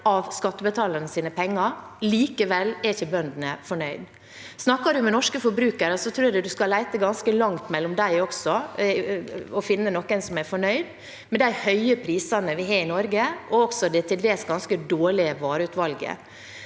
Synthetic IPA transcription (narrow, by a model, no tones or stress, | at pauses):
ɑʋskɑt̪ːəbət̪ʰɑːləɾnəsiːnəpʰɛŋːɑɾliːkəʋɛlɛɾçəbœnd̪nəfɔɳœʏd̪ | snɑkːɑɖʉmɛnɔʂkəfɔɾbɾʉːkəɾəsɔt̪ʰɾʉːd̪ɛd̪ʉskɑlæɪt̪əɡɑnskəlɑŋt̪mɛlːɔmd̪æɪɔksɔ | ɔfɪnːənɔkːɛnsɔmæɾfɔɳœʏd̪ | mɛd̪æɪhœʏəpʰɾiːsɑnəʋɪɦɑɾɪnɔɾɡəɔɔksɔd̪ɛt̪ʰɪld̪eːsɡɑnskəd̪oːɭɪəʋɑːɾʉːt̪ʋɑlɡə̰